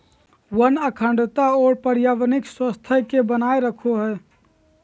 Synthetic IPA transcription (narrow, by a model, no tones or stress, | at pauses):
wənəkʰə̃ɳɖt̪aɔːɾpəɾjaːʋənɪkswəst̪ʰəɦkebənaːeɾəkʰoɦɛː